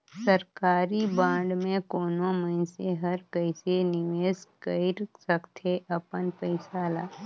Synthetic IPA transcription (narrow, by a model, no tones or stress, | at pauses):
səɾkaːɾibãːɳɖmẽkoːnomɐɪnseɦɐɾkəɪsenɪʋeːskəɪɾsəkt̪ʰeʔɐpənpəɪsaːlaː